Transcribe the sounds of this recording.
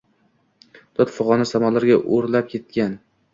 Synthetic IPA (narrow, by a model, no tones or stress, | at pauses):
d̪̥ɒt̪fʊʁɒnasamalaɾɡʲaʔoɾlap̚kʲʰe̞t̪̚kʲan